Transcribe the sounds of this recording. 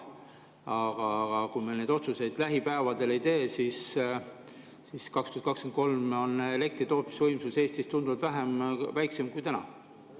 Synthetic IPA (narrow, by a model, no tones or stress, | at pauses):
ɑɡ̥ɑɡ̥ɑkumelne̞ːd̪o̞t̪suse̞d̪̥læɦipæevɑd̪e̞le̞jt̪e̞ːsis | siskɑkst̪yɑt̪kɑkskent̪̚ko̞lmo̞ne̞le̞kt̪rit̪o̞ːt̪mi̥svɤjmsuse̞ːst̪ist̪und̪uvɑd̪væɦemvæjkse̞mkujt̪ænɑ̰